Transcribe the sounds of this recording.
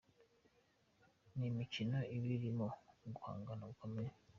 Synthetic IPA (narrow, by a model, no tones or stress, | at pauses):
nimicino̞iβiɾimoɡuha̰ːŋɡanaɡukʰomeɾe